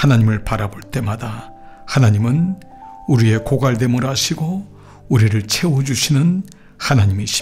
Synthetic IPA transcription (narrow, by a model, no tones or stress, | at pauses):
hanaɲimɯɭpaɾaboɭt͈e̞mada | hanaɲimɯn | uɾie̞koɡaɭde̞moɾaɕʰiɡo | uɾiɾɯɭt͡ɕʰe̞wod͡ʑuɕʰinɯn | hanaɲimiɕʰ